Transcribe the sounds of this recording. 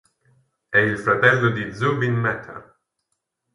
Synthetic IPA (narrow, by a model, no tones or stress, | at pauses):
ɛilfɾɐt̪ɛlːod̪izubinmɛt̪ʰːɐ̰